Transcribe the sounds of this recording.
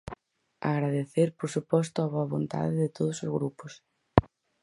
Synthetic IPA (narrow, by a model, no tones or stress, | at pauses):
a̰ɣɾaðeθeɾpoɾsupɔst̪ʊaβoaβont̪a̰ðɪðɪt̪oð̞osozɣɾupos